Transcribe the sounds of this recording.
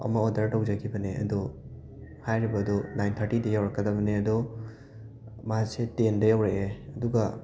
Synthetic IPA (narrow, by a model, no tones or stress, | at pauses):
ɐ̰mɐodɐɾtɐwzaɡibɐneɐ̰du | hajɾibɐdunajnt̪ʰɐɾʈidɐjawɾɐkːɐdɐbɐneɐdu | maasetendɐjawɾeeɐduɡɐ